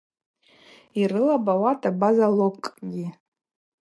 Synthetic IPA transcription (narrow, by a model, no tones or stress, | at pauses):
irɨlabawatʼabazalokʼɡʲi